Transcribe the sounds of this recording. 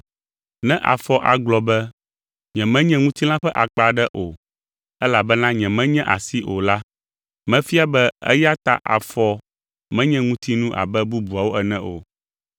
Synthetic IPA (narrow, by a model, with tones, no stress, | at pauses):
nɛ̃˦ʔa̰˨fɔ˦ʔa˨ɡ͡blɔ˨bɛ˦ | ɲɛ̃˨mɛ̃˦ɲɛ̃˦ŋũ˦t̪i˦lã˦ɸɛ˦ʔa˨k͡pa˨ɖɛ˦ʔo˨ | ɛ˦la˨bɛ˦nã˦ɲɛ̃˨mɛ̃˦ɲɛ̃˦ʔa̰˨si˦ʔo˨la˦ | mɛ̃˦fi˦a˦bɛ˦ɛ̰˦ja˦t̪a̰˨ʔa̰˨fɔ˦ | mɛ̃˦ɲɛ̃˦ŋũ˦t̪ʰi˦nũ˦ʔa̰˨bɛ˦bu˦bu˨a˨wo˦ʔɛ˨nɛ̃˦ʔo̰˨